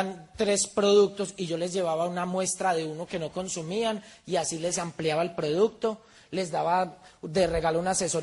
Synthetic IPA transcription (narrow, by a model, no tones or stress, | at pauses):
nt̪ɾe̞spɾo̞ðuk̚t̪o̞siʝo̞le̞zd͡ʒe̞βaβaunamwe̞st̪ɾaðe̞uno̞ke̞no̞ko̞nsumianiasile̞sampljaβaelpɾo̞ð̞uk̚t̪o̞ | le̞zd̪aβad̪e̞re̞ɣalounase̞so